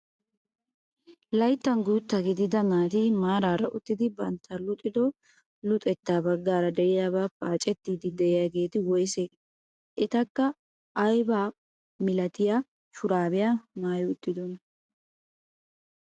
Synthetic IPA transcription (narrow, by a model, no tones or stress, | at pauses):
lɐjt̪ːɐŋɡuːt̪ːɐɡɪd̪ɪd̪ɐnaːt̪iːmaːɾaːɾɐʔʊt̪ːɪd̪ɪbɐnt̪ʰɐlʊt̪ʼɪd̪ɔ | lʊt̪ʼɛt̪ːaːbɐɡːaːɾɐd̪ɛʔɪjaːbaːpʼaːt͡ʃʼɛt̪ːiːd̪ɪd̪ɛʔɪjaɡe̞ːt̪ɪwɔjse | ʔɪt̪ɐkːɐ | ʔːjbaː | mɪlɐt̪ɪja | ʃʊɾaːbɪjaːnaːjʊʊt̪ːɪd̪ɔn